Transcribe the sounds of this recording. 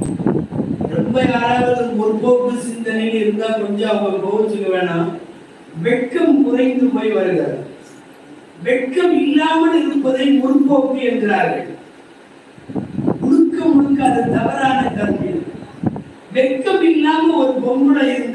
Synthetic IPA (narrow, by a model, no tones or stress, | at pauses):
ɾɛmbɐjaːɾaːɣɐðɐnmʊɾpoːpːɯsɪnd̪ɐnɐɪɪɾɯnd̪aːkɔɲd͡ʒaːɐʋɐpoːʋɐsɔlːɐʋeːnaː | ʋɛkːɐmkʊrɐɪnd̪ɯmɐɪʋɐɾɯɣɐɾ | ʋɛkːɐmɪlːaːmɐlɪɾɯpːɐðɐɪmʊɾpoːpːɯɛnɡɪraːɾɣɐ̰ɭ | mʊɽɯkːɐmʊɽɯkːɐɐðɐt̪ɐʋɐɾaːnɐt̪ɐɾmɪl | ʋɛkːɐmɪlːaːmɐɔɾɯpɔmːɯɽɐɪɾɯn